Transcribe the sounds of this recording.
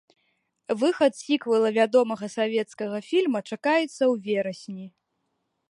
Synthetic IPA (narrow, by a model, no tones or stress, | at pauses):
vɨxɐt̪sʲikvɐlˠɐvʲad̪ɔmɐɣɐsavʲɛt̪skɐɣɐfʲilʲmɐt͡ʂakajɛt̪sːɐwvʲɛɾɐsʲnʲi